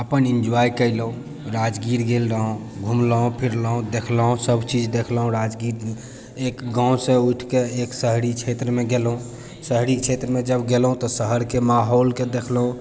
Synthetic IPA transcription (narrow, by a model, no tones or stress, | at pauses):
əpənind͡ʒuajkəɪlɦũ | ɾad͡ʒɡiɾɡelɾəɦõ | ɡʱumləũpʰiɾləɦũd̪ekʰləɦũsəbʱt͡ʃid͡ʒd̪ekʰlɦũɾad͡ʒɡiɾ | ekɡãwsẽuʈʰkeeksəɦɾit͡ʃʰet̪ɾəmeɡelɦũ | səɦɾit͡ʃʰet̪ɾəmed͡ʒəbɡelɦũt̪ɔsəɦəɾkemaɦolked̪ekʰlɦũ